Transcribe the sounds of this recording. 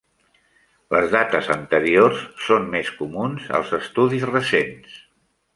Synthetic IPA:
ləzðat̪əzənt̪əɾiorsːommeskumunzə̰lˠzəst̪uðizrəsens

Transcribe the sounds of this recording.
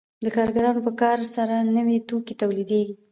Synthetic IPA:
d̪əkɑɾɡaɾɑnopəkɑɾsaɾanəwet̪oket̪awlid̪eɡi

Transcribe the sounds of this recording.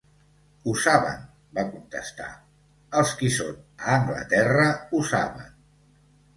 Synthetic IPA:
usaβə̰n | bakunt̪əst̪a̰ | əlˠskisonəːŋɡlə̰t̪ɛrəusaβə̰n

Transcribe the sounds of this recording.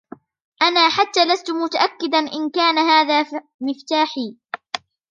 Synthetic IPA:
ʔanaːħat̪ːaːlast̪ʊmʊt̪aʔakːɪd̪anʔɪnkaːnaɦaːðaː | mɪft̪aːħiː

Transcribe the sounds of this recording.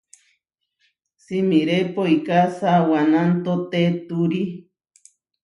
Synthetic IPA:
simiɾepoikasawanant̪ot̪et̪uɾi

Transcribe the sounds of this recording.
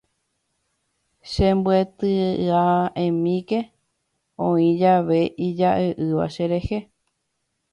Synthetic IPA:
ʃẽmbwet̪ɨaẽmĩke̞ | õĩd͡ʒaʋe̞ʔid͡ʒaʔeʔɨʋa̰ʃeɾe̞he

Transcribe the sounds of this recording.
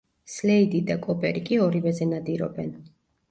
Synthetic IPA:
slɛid̪id̪akʼɔpʼɛɾikʼiɔɾivɛzɛnad̪iɾɔ̰bɛn

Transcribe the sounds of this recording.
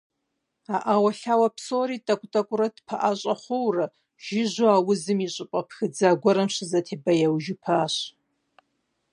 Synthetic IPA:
aːʔawɐɬaːwɐpsoːɾiːtʼɐkʷʼtʼɐkʷʼʊɾɐdpʰɐʔaɕʼɐχʷʊwrɐ | ʒ̥ɪʑʷʊaːwʊzɨmiɕʼɪpʷʼɐpʰxɨd͡zaːɡʷɔɾɐmɕɪzɐtʰeːbɐjawʒɪpʰaːɕ

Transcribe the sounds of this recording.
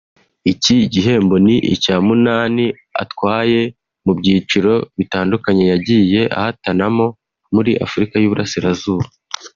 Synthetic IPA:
iciɟiɦe̞ːmbo̞niʔicaːmunaːni | a̰twaːje̞ | mubɟiːt͡ʃiɾo̞βitaːndukaɲe̞jaɟije̞ʔa̰hatanamo̞ | muɾiʔa̰fuɾikajuːβuɾasiɾazuːβa

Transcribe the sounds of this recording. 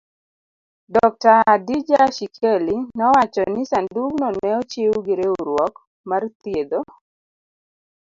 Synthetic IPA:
dɔk̚taːdid͡ʒaʃikʰelinɔwat͡ʃɔnɪsanduɡnɔnɛɔt͡ʃeuɡiɾeuɾwɔk | mart̪jed̪o

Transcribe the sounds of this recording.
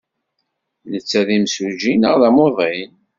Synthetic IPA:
nət͡sːæðimsuʒinəʁðæmoðˤin

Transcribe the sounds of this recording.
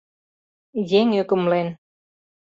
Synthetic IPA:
jeŋøkə̆mlen

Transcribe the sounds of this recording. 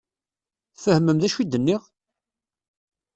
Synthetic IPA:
θfəhməmðæʃwid̪ənːiʁ

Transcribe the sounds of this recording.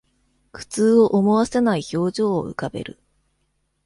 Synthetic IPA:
kɯ̥t͡sɨːoʔomo̞βasenaiço̞ːʑo̞̰ːɯ̰kabe̞̰ɾɯ̟̰

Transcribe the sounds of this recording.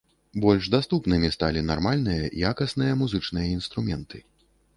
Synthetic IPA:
bɔlʲʐd̪ast̪upnɨmʲist̪a̰lʲinarmalʲn̪ɨjɐjakɐsnɨjɐmuzɨt͡ʂnɨjɐinst̪ɾumʲɛnt̪ɨ

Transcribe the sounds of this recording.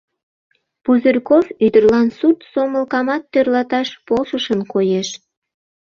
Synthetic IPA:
puzərʲkofyd̪ərlɑnsut̪soməlkɑmɑt̪ːørlɑt̪ɑʃpolʃəʃənkojeʃ

